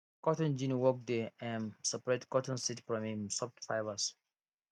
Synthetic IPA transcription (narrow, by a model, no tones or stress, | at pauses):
kɔtɔ̃nd͡ʒĩnwɔk̚deɛ̃nsɛpɹɛtkɔtɔ̃nsitfɹɔ̃mhĩmsɔp̚tfaɪjvas